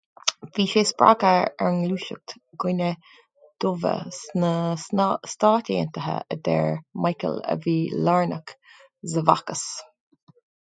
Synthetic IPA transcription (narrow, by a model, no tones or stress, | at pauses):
viːʃeːspɹa̰ɡəɛ̰ɹnluːʃək̚t̪ɡ̥ʊnə | d̪̥ʊvə̰snə | st̪aːtʲiːə̰nt̪əɦə̰əd̪ɛɹmajkə̰lə̰viːlaɹnək | zəva̰kəs